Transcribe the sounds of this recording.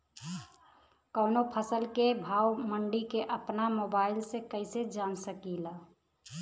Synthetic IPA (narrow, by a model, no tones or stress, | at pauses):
kəʊnopʰəsəlkebʱaːwməɳɖikeʔəpnamoːbaːɪlsekəɪsed͡ʒaːnsəkilaː